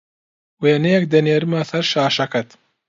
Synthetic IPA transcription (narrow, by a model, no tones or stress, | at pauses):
weːnejɛk̚d̪ɐneːɾɨmaːsɐɾʃaːʃɐkɐt̪